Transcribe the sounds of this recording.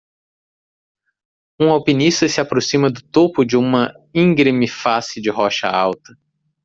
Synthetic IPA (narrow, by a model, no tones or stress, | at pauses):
ũawpinist̪ɐsɪapɾosĩmɐd̪ʊt̪opʊd͡ʒɪũmɐ | ĩŋɡɾemɪfasɪd͡ʒɪɦɔʃɐ̰awt̪ɐ